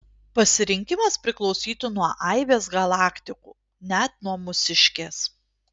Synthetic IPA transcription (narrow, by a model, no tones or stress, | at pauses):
pɐsʲɪɾʲɪŋʲkʲɪmɐspʲɾʲɪklˠɔʊsʲiːt̪ʊnuɔʔɐɪʋʲeːsɡɐlˠɑːkt̪ʲɪkṵː | nʲæt̪nuɔmʊsʲɪʃʲkʲeːs